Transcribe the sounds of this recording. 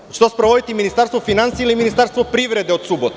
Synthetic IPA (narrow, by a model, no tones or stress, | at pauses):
t͡ɕe̥t̪ospɾoʋo̞d̪it̪iminist̪aɾst̪ʋofinansieiliminist̪aɾst̪ʋopɾiʋɾed̪eo̞d̪subot̪